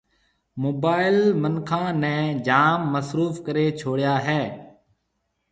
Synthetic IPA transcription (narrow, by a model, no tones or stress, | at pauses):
moːbaːɪlmənkʰãːnɛ̃ːd͡ʒaːmːəsɾuːfkəɾeːt͡ʃʰoːɽjaːɦɛː